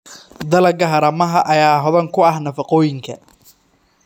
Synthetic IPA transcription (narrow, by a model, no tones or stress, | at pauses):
d̪ɐlɐɡɐɦɐɾɐmɐɦɐʔɐjaːɦɔðɐŋkʰʊɐhnɐfɐqɔːjɪŋkʰɐ̰